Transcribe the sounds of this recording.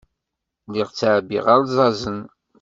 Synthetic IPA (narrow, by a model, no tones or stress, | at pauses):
liʁt͡sːaʕbḭʁaɾzˤɑzən